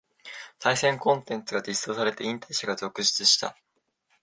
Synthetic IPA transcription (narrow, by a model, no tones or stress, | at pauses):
saisẽ̞ŋkõ̞nt̪ẽ̞nt͡sɨɡad͡ʑisoːsaɾe̞t̪e̞ĩnt̪aiɕaɡazo̞kɯ̟ɕi̥t͡sɨɕi̥t̪a̰